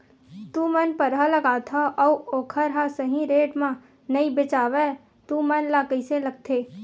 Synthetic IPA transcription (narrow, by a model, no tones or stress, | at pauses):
t̪ũmənpəɾɦaləɡaːt̪ʰaʔɔuoːkʰəɾɦasəɦĩɾeːʈmã | nəibɪt͡ʃaːwe | t̪ũmənlaːkiselɐɡ̚t̪ʰeː